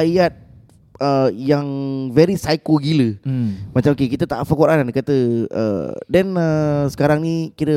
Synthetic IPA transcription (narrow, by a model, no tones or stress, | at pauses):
ajat̪̚ | əjaŋvɛɾisajkoɡiləmat͡ʃamokekit̪ət̪a̰ʔfəkuɾannkat̪əə̰dɛnəsə̥kaɾaŋnikiɾə